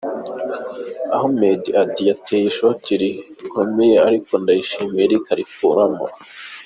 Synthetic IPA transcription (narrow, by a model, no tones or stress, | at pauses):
a̰ɦomediʔadijateːjiʃociɾikomejeaɾikondajiʃimeiɾikaɾikuɾama̰